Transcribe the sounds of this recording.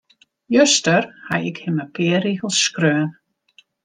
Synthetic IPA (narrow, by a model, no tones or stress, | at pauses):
jøstərha̰jɪkhɪməpɪːəriɣəlˠskrøːən